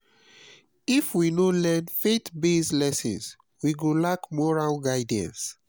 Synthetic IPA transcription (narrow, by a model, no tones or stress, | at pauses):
ifwinolɛ̃nfetbeslɛsɔ̰̃ns | wiɡõlakmɔɹalɡaɪdã̰ns